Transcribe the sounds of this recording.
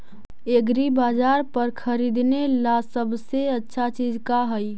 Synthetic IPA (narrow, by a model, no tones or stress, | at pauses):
eɡɾibad͡ʒaɾpəɾkʰəɾid̪nelasəbseətːʃʰat͡ʃid͡ʒkaɦəj